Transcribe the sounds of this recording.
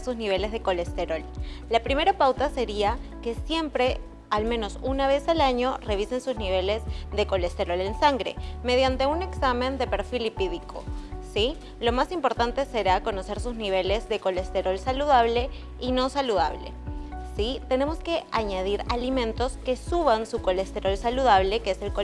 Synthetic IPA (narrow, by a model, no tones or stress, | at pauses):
suzniβ̞e̞le̞zðe̞ko̞le̞st̪e̞ɾo̞llapɾime̞ɾapawt̪ase̞ɾiake̞sje̞mpɾe̞ | almẽ̞no̞sunaβ̞e̞salaɲo̞re̞β̞ise̞nsuzniβ̞e̞le̞zðe̞ko̞le̞st̪e̞ɾo̞le̞nsaŋɡɾe̞̰me̞ð̞jant̪e̞une̞ksamẽ̞nd̪e̞pe̞ɾfilipiðikʰo̞̰si | lo̞masimpo̞ɾt̪ant̪e̞se̞ɾako̞no̞se̞ɾsuzniβ̞e̞le̞zðe̞ko̞le̞st̪e̞ɾo̞lsaluðaβ̞le̞ | ino̞saluða̰β̞le̞̰sit̪e̞ne̞mo̞ske̞aɲað̞iɾalimẽ̞nt̪o̞ske̞suβansuko̞le̞st̪e̞ɾo̞lsaluðaβ̞le̞keeselko